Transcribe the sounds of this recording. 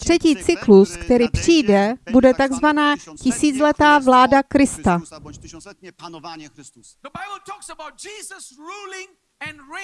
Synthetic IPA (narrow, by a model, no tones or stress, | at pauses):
t̪r̝̥ɛciːtt͡sɪkluskt̪ɛɾiːpr̥iːdɛbudɛt̪aɡzvanaːcɪsiːt͡slɛt̪aːvlaːdakɾɪst̪a | ðəbaɪbəl̩ˠtʰɔksəbaʊt̚d͡ʒiːzəsɹuːlɪ̃ŋ | ə̃nɹe